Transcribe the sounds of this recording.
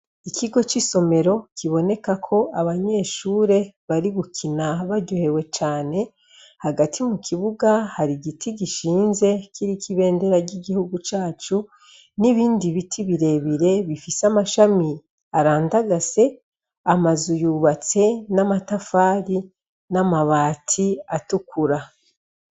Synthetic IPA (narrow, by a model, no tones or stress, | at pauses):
ikʰiɡo̞t͡ʃiso̞me̞ɾo̞kiβo̞ne̞kakʰo̞aβaɲe̞ʃuːɾe̞βaɾiβukʰinaβaɟohe̞we̞t͡ʃaːne̞ | haɡatʰimukʰiβuɡahaɾiɡitʰiɡiʃiːnze̞kʰiɾikʰiβe̞ːnde̞ɾaɟiɡihuɡut͡ʃaːt͡ʃu | niβiːndiβitʰiβiɾe̞βiɾe̞βifisamaʃami | aɾaːndaɡase̞ | amazujuːβat͡se̞namatafaːɾi | namaβaːtʰiatukuɾa